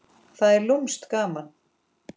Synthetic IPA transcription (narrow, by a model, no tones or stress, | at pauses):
θaðɛɾlumst̪kaːman